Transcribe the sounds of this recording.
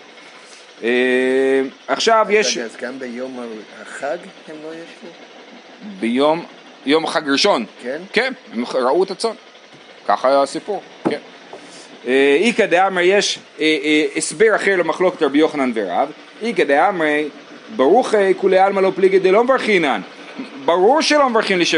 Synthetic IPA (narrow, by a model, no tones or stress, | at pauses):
e | aχʃavjeʃzɡambejomhaχaɡhemlojeʃlu | bejom | jo̞mχaɡɾiʃo̞nkenkenemɾauet̪at͡so̞n | ka̰χaːjaasipuʁ | ken | eikad̪eamʁejeʃ | esbeʁaχeɾlemaχlo̞ket̪ʁabijo̞χananveɾa̰v | ikad̪eamʁe | baʁuχekulealmalopliɡed̪elomvaɾχinan | baʁuʁʃelomvʁiχimliʃe